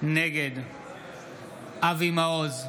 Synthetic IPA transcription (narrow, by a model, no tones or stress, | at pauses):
neɡed̪ | avimaoz